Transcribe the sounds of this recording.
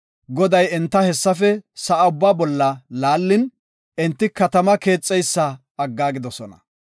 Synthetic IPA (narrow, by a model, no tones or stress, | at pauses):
ɡɔd̪ɐjɛnt̪ːɐhɛsːɐfɛsɐːʊbːaːbɔlːɐlaːlːɪn | ɛnt̪ːɪkɐt̪ɐmɐke̞ːt͡sʼːɛjsːɐ | ɐɡːaːɡɪd̪ɔsɔnɐ̰